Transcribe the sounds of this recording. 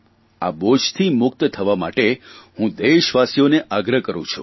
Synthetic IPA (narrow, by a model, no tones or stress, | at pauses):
a̰bod͡ʒt̪ʰimʊk̚t̪t̪ʰəʋama̰ʈehũd̪eʃʋasijoneʔaɡɾəkəɾṵ̃t͡ʃʰṵ